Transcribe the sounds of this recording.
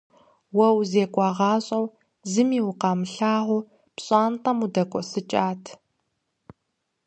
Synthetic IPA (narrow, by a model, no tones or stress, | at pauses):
wɐwzeːkʷʼɑːʁɑːɕʼɐw | zɨmiːwʊqɑːmɨɬaːʁʷʊ | pɕʼɑːnqɐmudɐkʷʼɔsɨt͡ʃʼaːtʰ